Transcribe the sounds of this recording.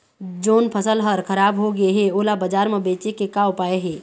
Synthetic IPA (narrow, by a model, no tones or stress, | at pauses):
d͡ʒoːnpʰəsəlɦəɾkʰɐɾaːbɦoɡɐeɦɛoːlabɐd͡ʒaːɾmẽbeːt͡ʃekekaːwpaːeɦɛː